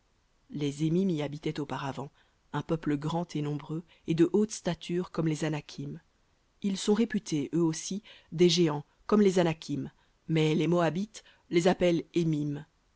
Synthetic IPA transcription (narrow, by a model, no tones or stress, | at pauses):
lezemimiabit̪ɛt̪opaʁavɑ̃ | ɛ̃pœpləɡʁɑ̃t̪enɔ̃bʁø | ed̪əʔot̪st̪at̪ʰyʁkɔmlezanakʲʰim | ilsɔ̃ʁepyt̪ʰeøosid̪eʒeɑ̃ | kɔmlezanakʲʰimː | ɛlemɔabit̪ | lezapɛlemim